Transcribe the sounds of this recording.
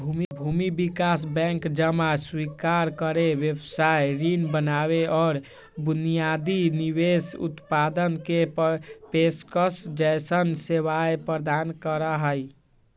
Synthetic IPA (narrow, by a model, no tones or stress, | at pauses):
bʱumibʱumibikasbɛ̃ŋkd͡ʒəmaswikaɾkəɾeʋjəbsajɾinbənaβeʔɔːɾ | bunijad̪iniβesṵt̪pad̪ənkeppeskəsd͡ʒəjsənseʋaepɾəd̪ankəɾəɦəj